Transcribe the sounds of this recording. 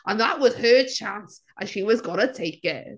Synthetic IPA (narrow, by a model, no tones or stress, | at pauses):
ʔə̃nðə̰ʔwʌz̥ə˞t͡ʃʰãns | ʔɨ̃nʃiwʌzɡʌñətʰeɪkɪ̰t